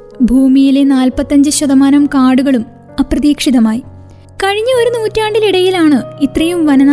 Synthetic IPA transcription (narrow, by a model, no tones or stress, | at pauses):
bʱuːmijile̞naːlpɐt̪ːɐɲd͡ʑɨɕɐðɐmaːnɐmkaːɽuɣɐɭum | ɐprɐðiːkʂiðɐmaːji | kɐɻiɲːɐo̞ɾunuːtːaːɳɖiliɽɐjilaːɳɨit̪rɐjumʋɐnɐn